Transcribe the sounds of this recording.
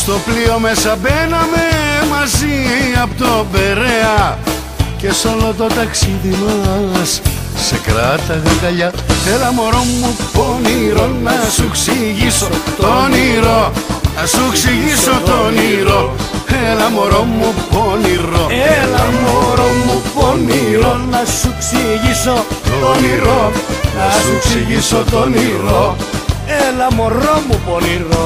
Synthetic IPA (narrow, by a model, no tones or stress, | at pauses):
st̪o̞plio̞mesɐpenɐmemɐziɐpot̪obeɾeɐ | ce̞solot̪o̞t̪ɐksiðimɐs | sḛkɾɐt̪ɐɣɐnɡ̪ɐʎɐelɐmoɾomːuponiɾonnɐsuksiʝisott̪oniɾoasuksiɣisot̪oniɾo | elamoɾomuponiɾoelamoɾomuponiɾonasuksiɣisooniɾoasuksiɣisot̪oniɾo | elamoɾomuponiɾo